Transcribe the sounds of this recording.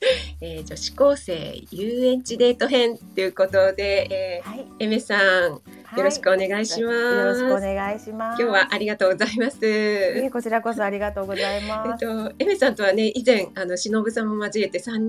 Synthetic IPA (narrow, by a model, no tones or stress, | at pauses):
eːd͡ʑo̞ɕi̥ko̞ːse̞̰ːjɯːẽ̞ɲ̟t͡ɕid̪e̞ːt̪o̞ɦẽ̞nt̪e̞jɯ̟ko̞t̪o̞d̪e̞ːme̞sãŋ | jo̞ɾo̞ɕi̥kɯone̞ɡaiɕimaneɡaiɕimakʲo̞ːβaʔaɾʲiɡat̪o̞ːɡozaimasɨkot͡ɕiɾakosoaɾʲiɡat̪oːɡozaimaet̪o̞eme̞sãnt̪o̞β̞ane̞ʔizẽ̞ɰ̃ano̞ɕino̞bɯ̟sãmːomazie̞t̪e̞sãɲ